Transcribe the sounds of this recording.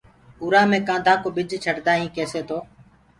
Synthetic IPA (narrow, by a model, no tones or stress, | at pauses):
ʊːɾaːmẽːkãːd̪ʱaːkoːbɪd͡ʒʱt͡ʃʰəʈd̪aːɦĩːkeːseːt̪ʰoː